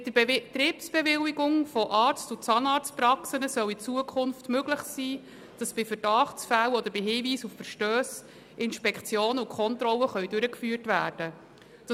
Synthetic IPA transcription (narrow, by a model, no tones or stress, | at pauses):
d̪ət̪ɾiːpsb̥ɛʋɪwiɡʊŋfɔʔɑːɾt͡stʊt͡sɑːnɑːɾt͡spɾɑksənəsœwit͡suəkʰʊnftmøɡ̥lɪχsiː | d̥ɑsb̥ɪfəɾd̥ɑχt͡sfæwɔd̪əɾb̥ɪɦiːviːsuffəɾʃtøːs | ʔɪnʃpɛkt͡sjoːnəʊkʰχɔnt̪ɾɔlːəχœʏd̥ʉɾəkfyːrtvæːrd̥ə | d̥ɑ